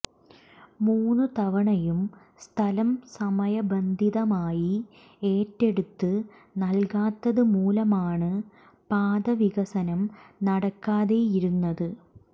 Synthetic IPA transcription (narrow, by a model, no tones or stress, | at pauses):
muːnːɨt̪ɐʋɐɳɐjum | st̪ʰɐlɐmsɐmɐjɐbɐnd̪ʱiðɐmaːji | e̞ːtːe̞ɽut̪ːɨ | nɐlkaːt̪ːɐðɨmuːlɐmaːɳɨ | paːd̪ɐʋiɣɐsɐnɐmnɐɽɐkːaːðejiɾunːɐðɨ